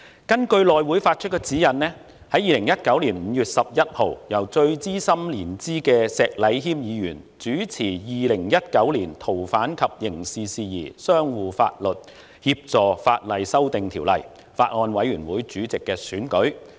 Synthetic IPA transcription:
kɐ˥nkɵ˧ɥlɔː˨jwuː˨˥jfaː˧t̚t͡ʃʰɵ˥t̚kːɛ˧t͡siː˨˥jɐ˨nnɛː˥ | hɐ˨˥jiː˨lɪ˨˩ŋjɐ˥t̚kɐ˨˥wliː˨˩nm̩˨˧jyː˨t̚sɐ˨p̚jɐ˥t̚ho˨˩wjɐ˨˩wt͡sɵ˧ɥt͡siː˥sɐ˥mliː˨˩nt͡siː˥kɛː˧sɛː˧k̚lɐ˨˧jɦiː˥mjiː˨˧jyː˨˩n | t͡syː˨˥t͡sʰiː˨˩jiː˨lɪ˨˩ŋjɐ˥t̚kɐ˨˥wliː˨˩nt̪ʰo˨˩wfaː˨˥nkʰɐ˨p̚jɪ˨˩ŋsiː˨siː˧jḭː˨˩sœː˥ŋwuː˨fa̰ː˧t̚lɵ˨t̚ | hiː˧p̚t͡sɔː˨fa̰ː˧t̚lɐ˨jsɐ˥wt̪ɪ˨ŋt̪ʰiː˨˩wlɐ̰˨˩j | faː˧t̚ŋɔː˧nwɐ˨˥jɥyː˨˩nwuː˨˥jt͡syː˨˥t͡sɪ˨kːɛː˧syː˨˥nkɵ˨˥ɥ

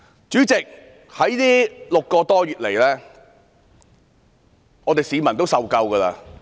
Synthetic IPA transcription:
t͡ʃyː˨˥t͡sɪ˨k̚ | hɐ˨˥jt̪iː˥lʊ˨kːɔː˧t̪ɔː˥jyː˨t̚le˨˩jlɛː˥ | ŋɔː˨˧t̪e˨jsiː˨˧mɐ˨˩nt̪o˥wsɐ˨˧wkɐ˧wkɐː˧laː˧

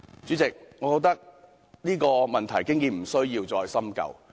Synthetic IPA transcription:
t͡syː˨˥t͡sɪ˨k̚ŋɔ˨˧ko˨˧˥w̚t̪ɐ˥k̚ | niː˥kɔː˧mɐ˨nt̪ʰɐ˨˩jkɪ˥ŋjiː˨˧m̩˨˩sɵ˥ɥjiː˧wt͡sɔː˧jsɐ˥mkɐ̰˨w

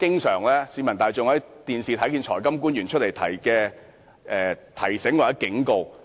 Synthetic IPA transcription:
kɪ˥ŋsœː˨˩ŋlɛː˥siː˨˧mɐ˨˩nt̪aː˨jt͡sʊ˨ŋhɐ˨˥jt̪iː˨nsiː˨t̪ʰɐ˨˥jkiː˧nt͡ʃʰɔː˨˩jkɐ˥mkuː˥njyː˨˩nt͡ʃʰt̚le˨˩jt̪ʰɐ̰˨˩jkɛː˧ | ʔɛː˨t̪ʰɐ˨˩jsɪ˨˥ŋwaː˨˩t͡sɛ˨˥kɪ˨˥ŋko˧w

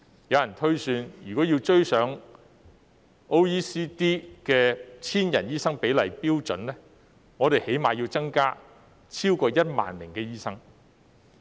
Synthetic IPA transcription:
jɐ˨˧wjɐ˨˩nt̪ʰɵ˥ɥsyː˧njyː˨˩kɔː˨˥ji˧wt͡ʃɵ˥ɥsœː˨˥ŋ | o˥wiː˥siː˥t̪iː˥kɛː˧t͡sʰiː˥njɐ˨˩njiː˥sɐ˥ŋpe˨˥jlɐ˨˩jpiː˥wt͡ʃɵ˨˥nlɛː˥ | ŋɔː˨˧ɾe˨jhe˨˥jmaː˨ji˧wt͡sɐ˥ŋkaː˥ | t͡sʰiː˥wkɔː˧jɐ˥t̚ma̰ː˨nlɪ˨˩ŋkɛː˧jiː˥sɐ˥ŋ

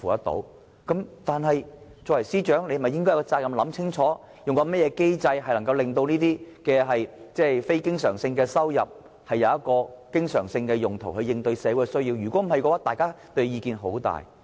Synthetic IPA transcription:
fuː˨t̪ɐ˥t̪o̰˨˧˥w | kɐ˨˥mt̪aː˨nɦɐ˨j | t͡sɔː˨˧wɐ˨˩jsiː˥t͡ʃœː˨˥ŋle˧hm˨jɪ˥ŋkɔː˥jkt͡saː˧k̚kɐ˧mlɐ˨˥mt͡sʰɪ˥ŋt͡ʃʰɔː˨˥ | jʊ˨ŋkɔ˧mɛ˥t̚jɛː˨˧ke˥jt͡sɐ˧jɦɐ˨jlɐ˨˩ŋkɐ˧wlɪ˨ŋt̪o˧wniː˥t̪iː˥kɛː˧ɦɐ˨jt͡sɛː˥fe˥jkɪ˥ŋsœ̰ː˨˩ŋsɪ˧ŋkɛː˧sɐ˥wjɐ̰˨˩p̚ | hɐ˨jːɐ˨˧wjɐ˥t̚kɔː˧kɪ˥ŋsœ̰ː˨˩ŋsɪ˧ŋkɛː˧jʊ˨˩ŋt̪ʰo˨˩wɦɵ˧ɥjɪ˧ŋt̪ɵ˧ɥsɛː˨˧wu˨˧˥ɛ˧sɵ˥ɥjiː˧wjyː˨˩kʷɔː˨˥m̩˨˩ɐ˨jkɔː˧waː˨˥t̪aː˨jkaː˥t̪ɵ˧ɥjiː˧kiː˨˧nɦo˨˥wt̪a̰ː˨˩j

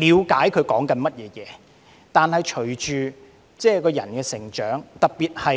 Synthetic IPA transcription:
liː˨˧wkaː˨˥jkʰɵ˨˧ɥkɔː˨˥ŋkɐ˧nmɐ˥t̚jɛː˨˧jɛː˨˧ | t̪aː˨˧nhɐ˨jt͡ʃʰɵ˨˩ɥt͡ʃyː˨ | t͡sɛː˥˩kɔː˧jɐ̰˨˩nkɛː˧sɪ˨˩ŋt͡ʃœː˨˥ŋt̪ɐ˨k̚piː˨t̚hɐ˨

